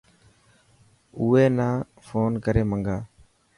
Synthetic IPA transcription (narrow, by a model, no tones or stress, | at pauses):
ʊːeːnaː | foːnkəɾeːməŋɡaː